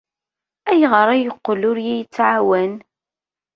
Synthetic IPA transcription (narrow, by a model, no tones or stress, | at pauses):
æjʁəɾˤæjəqːlʊɾjæjət͡sːʕawæn